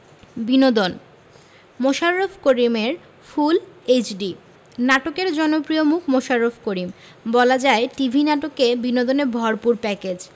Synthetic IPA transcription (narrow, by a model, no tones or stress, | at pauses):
binod̪on | moʃaɾːofʰkoɾimeɾ | fʰulet͡ɕɖi | naʈokeɾd͡ʑɔnopɾiomukʰmoʃaɾːofʰkoɾim | bɔlad͡ʑaeʈibʱinaʈokebinod̪oneɾbʱɔɾpuɾpɛked͡ʑ